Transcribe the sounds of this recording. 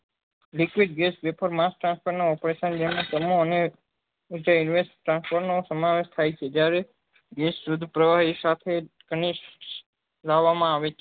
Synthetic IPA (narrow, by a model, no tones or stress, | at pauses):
likʋiɖ̚ɡesbepʰəɾmasʈɾãnspəɾnoɔpɾeʃənd͡ʒemãk̪əmoəne | ud͡ʒainʋesʈʈɾãnspoɾnosəmaʋeʃt̪ʰajt͡ʃʰed͡ʒjaɾe | ɡesɾud̪ʱpɾəʋaɦisat̪ʰekənis | laʋːamãaʋet͡ʃʰ